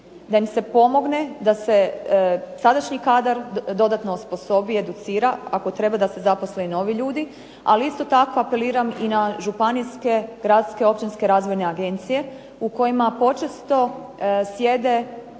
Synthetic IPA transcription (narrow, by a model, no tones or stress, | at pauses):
d̪aimse̞po̞mo̞ɡne̞d̪ase̞ | sad̪aʃɲikaːd̪aɾd̪o̞d̪at̪nosposo̞bie̞d̪ut̪siːɾaako̞t̪ɾe̞bad̪ase̞zapo̞sleuno̞ʋiʎuːd̪i | aliist̪o̞t̪ako̞ape̞liːɾaminaʒupaniske̞ɡɾad̪skeo̞p̚t͡ɕinske̞ɾaːzʋojne̞aɡe̞nt̪sije̞ | uko̞jimapo̞t͡ʃest̪o̞ | sje̞d̪e̞